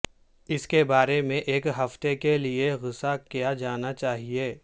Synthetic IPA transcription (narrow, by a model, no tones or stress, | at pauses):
ɪskebaːɾemẽʔeːkɦɐft̪ekelieɣɪsakijad͡ʒaːnat͡ʃaːɦieː